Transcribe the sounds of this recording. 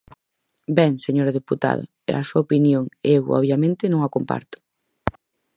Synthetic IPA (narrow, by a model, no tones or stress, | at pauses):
bɛŋseɲoɾɐðeput̪a̰ðɐ̰ | ɛ̰asuɐopinjoŋewɔ̰βjamẽnt̪ɪnõŋakompa̰ɾt̪ʊ̥